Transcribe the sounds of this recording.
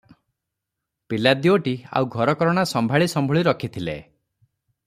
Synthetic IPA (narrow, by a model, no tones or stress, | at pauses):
pilad̪ioʈia̰wɡʱɔɾɔkɔɾɔɽ̃asɔmbʱaɭisɔmbʱɔɭiɾɔkʰit̪ʰilḛ